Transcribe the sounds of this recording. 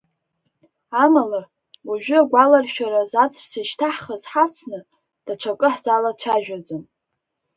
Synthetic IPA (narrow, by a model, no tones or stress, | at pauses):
amalar | waʒᶣʏaɡʷalarʃᶣaɾazat͡sʼsaʃtʰaħχazħat͡sʰnɨ | d̥at͡ʃʷʰakʼɨħz̥alat͡ɕʷʰaʒᶣad͡zʼon